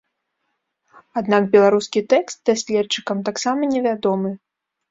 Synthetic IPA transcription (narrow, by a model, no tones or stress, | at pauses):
ad̪nakbʲɛlˠaɾuskʲit̪ɛkst̪̚d̪̥asʲlʲɛt͡ʂːɨkɐmt̪aksamɐnʲɛvʲad̪ɔmɨ